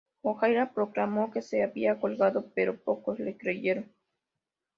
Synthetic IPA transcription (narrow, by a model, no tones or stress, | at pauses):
oxajɾapɾo̞klamo̞ke̞seaβiako̞lɣaðo̞pe̞ɾo̞po̞ko̞zlekɾeʝe̞ɾoŋ